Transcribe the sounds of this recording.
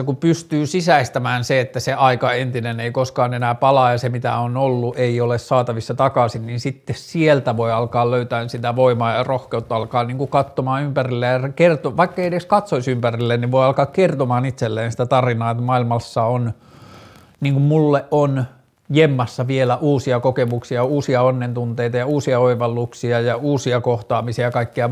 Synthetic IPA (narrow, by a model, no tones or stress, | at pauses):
ɑkupyst̪yːsisæist̪æmæːnseet̪ːæseʔɑikɑent̪ineneikoskɑːnenæːpɑlɑːjɑsemit̪æ̰onolːuʔeiolessɑːt̪ɑʋisːɑt̪ɑkɑsinninsit̪ːessielt̪æʋoiɑlkɑːlløyt̪æːnsit̪æʋoimɑːjɑrohkeut̪ːɑlkɑːniːŋkukɑt̪ːomɑːnympærilːejjɑsekert̪oʋɑikːɑeiedeskɑt̪soisympærilːenniʋoiɑlkɑːkkert̪omɑːnit̪selːeːnsi̥t̪æt̪ɑrinɑːet̪ːmɑilmɑsːɑon | niːŋkummulːeʔʔon | jemːɑsːɑʋielæʔuːsiɑkokemuksiɑuːsiɑonːent̪unt̪eit̪ɑjɑuːsiɑoiʋɑlːuksiɑjɑuːsiɑkoht̪ɑːmisiɑɑkɑikːiɑ